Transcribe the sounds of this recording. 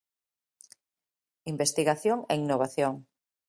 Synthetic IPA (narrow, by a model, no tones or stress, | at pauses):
imbest̪iɣaθjoŋeinoβ̞aθjoŋ